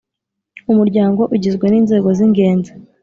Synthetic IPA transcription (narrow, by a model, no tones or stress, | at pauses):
umuɾɟaːŋɡo̞ʔuɟizɡwe̞niːnze̞ːɡo̞ziŋɡe̞ːnza